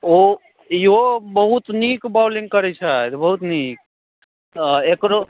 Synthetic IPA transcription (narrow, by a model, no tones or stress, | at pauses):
o | iobəɦut̪nikbawliŋɡkəɾɛt͡ʃʰət̪bəɦut̪nik̚ | ekɾo